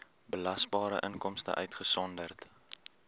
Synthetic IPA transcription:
bəlɐsbɑːɾə̰ʔəŋkɔmstə̰ʔœɥtχəsɔndərt

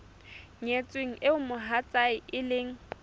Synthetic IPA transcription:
ɲet͡sʼweŋ̩ɪʊmʊɦat͡sʼaɪɪlɪŋ̩

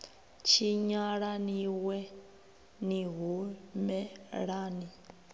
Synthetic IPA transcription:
t͡ʃʰiɲaɺaniwɛ | niɦumɛɺaːni

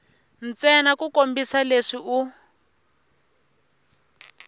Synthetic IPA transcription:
n̩t͡sɛnakukombisaleʂiu

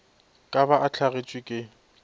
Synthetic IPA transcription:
kʼabaʔat͡ɬʰaɣet͡ʃʼwɪkʼɪ

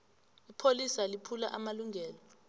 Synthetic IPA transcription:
ipʰolisalipʰulaʔamaluŋʱɛːlɔ

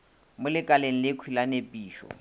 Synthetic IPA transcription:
mʊlɪkʼaleŋ̩lɪkʰwilanepʼiːʃɔ̰

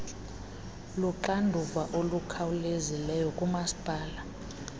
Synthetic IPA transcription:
luǃandʱuvaʔolukʰawulezilɛjɔkʼumasi̥pʼaːla

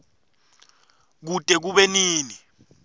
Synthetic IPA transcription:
k̬utʼɛk̬uɓɛniːni

